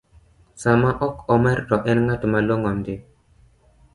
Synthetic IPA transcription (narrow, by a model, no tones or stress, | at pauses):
samaʔɔkɔmɛɾdɔʔɛnŋatʊmaloŋɔmdɪ